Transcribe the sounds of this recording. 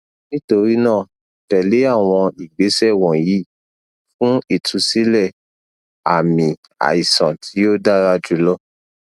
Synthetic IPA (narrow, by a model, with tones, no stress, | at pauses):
nĩ˦to˧ɾi˦nãː˦˨ | tɛ˨le˨˦a˦˨w̃ɔ̃˧i˨ɡ͡be˨˦sɛ˦˨wɔ̃˨ji˨˦ | fũ˦i˦˨tʰu˨˧˦si˦lɛ˦˨ | a˨mĩ˧ | a̰˨i˨sã˨tʰi˨˦jo˦da˦ɾa˦d͡ʒu˨˦lɔ˦